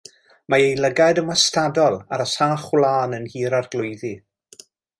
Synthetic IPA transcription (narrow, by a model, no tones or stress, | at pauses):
maejlˠəɡadəmastadɔlˠaɾəsaːχwlˠaːnənhiːɾarɡlˠʊjði